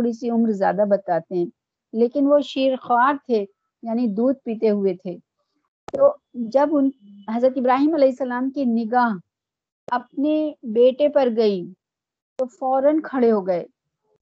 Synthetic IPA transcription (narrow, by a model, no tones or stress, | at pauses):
oːɽisiʊmɾzja̰ːd̪abɐt̪aːt̪eɦɛ̃ː | leːkɪnʋoʃiːɾxʋaːɾt̪ʰe | jaːnid̪uːd̪̚piːt̪eɦʊet̪ʰeː | t̪oːd͡ʒɐbʊnɦɐzɾət̪ɪbɾaːɦiːmɐlɛːɪsːɐlaːmkinɪɡaːɦ | ɐp̚nebeːʈepɐɾɡɐi | t̪ofɔːɾənkʰɐɽeɦoːɡɐeː